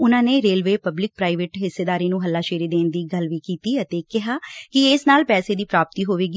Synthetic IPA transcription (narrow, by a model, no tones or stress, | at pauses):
ʊnãːneːɾeːlʋeːpəblɪk̚pɾaːɪʋeːʈɦɪsːeːd̪aːɾiːnũːɦəlːaːʃeːɾiːd̪eːnd̪iːɡəlʋiːkiːt̪iːət̪eːkɪɦaːkɪɪsnaːlpɛːseːd̪iːpɾaːp̚t̪iːɦoːʋeːɡiː